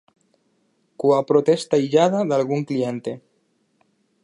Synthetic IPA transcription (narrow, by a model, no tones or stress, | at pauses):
kuapɾot̪est̪aiʎaðaðalɣuŋklient̪e